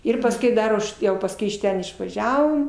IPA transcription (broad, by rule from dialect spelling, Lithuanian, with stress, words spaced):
ˈɪr pɐsʲˈkʲɛʊ ˈdɐr ʊʃ ˈjɛʊ pɐsˈkʊɪ ɪʃ ˈtʲɛn ɪʃʋɐˈʒʲæːʋoːm